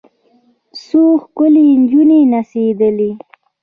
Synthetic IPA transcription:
soxkʊlind͡ʒunenased̪əli

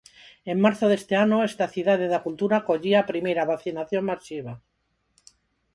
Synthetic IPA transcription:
emmaɾθoðest̪eanoest̪aθiðaðeðakult̪uɾakoʎiapɾimejɾaβaθinaθjoŋmasiβ̞a

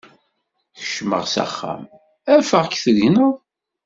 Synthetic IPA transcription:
çə̥ʃmə̰ʁsæ̰χːæ̰m | æfəʁkθəʝnəðˤ

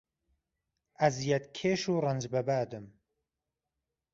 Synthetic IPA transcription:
ʔɐzjɛt̪kʰeːʃuːrɐnd͡ʒbɐbaːd̪ɨm

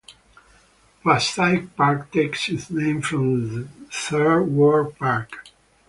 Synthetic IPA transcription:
pastaɪk̚paɹkt̪ʰeɪkshɪznẽɪ̃mfɹɔ̃mðəθɜ˞wɔɹpʰaɹk

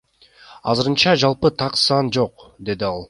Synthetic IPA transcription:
ɑ̰zɯɾɯnt͡ʃɑd͡ʒɑlˠpɯt̪ʰɑqsɑnd͡ʒo̞qd̪e̞d̪iɑlˠ

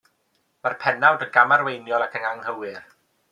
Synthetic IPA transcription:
marpʰɛnawdəɡamarwejnjɔlˠakʰəŋaŋhəwɪr

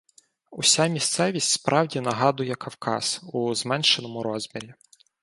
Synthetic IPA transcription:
ʊsʲamʲist̪sɛʋʲisʲtʲspɾɑwdʲin̪ɐɦɑd̪ʊjɛkʰɐwkɑ̰suzmɛnʃenɔmʊɾɔzʲmʲiɾʲi

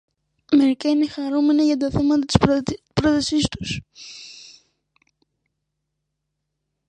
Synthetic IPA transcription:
me̞ɾikɐine̞xɐɾume̞nɐʝɐt̪ɐθe̞mɐt̪ɐt̪i̥spɾot̪ɐsist̪u̥s

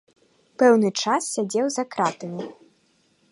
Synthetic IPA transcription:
pɛwnɨt͡ʂassʲad͡zʲɛwzakɾat̪ɐmʲi

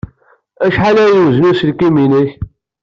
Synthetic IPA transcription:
æʃħalæjiwznusəlkiminəç

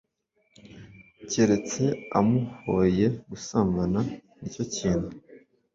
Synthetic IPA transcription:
ceɾe̞t͡se̞a̰muhoje̞ɡusaːmbananico̞ciːnhu

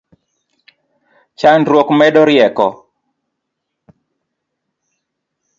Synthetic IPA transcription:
t͡ʃandɾwokmɛdɔɾɪɛkɔ

